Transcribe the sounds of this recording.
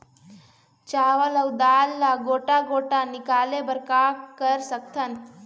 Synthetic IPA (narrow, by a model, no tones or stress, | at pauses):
t͡ɕaʋələwd̪alːaɡoʈaɡoʈanikalebəɾkakəɾsək̚t̪ʰən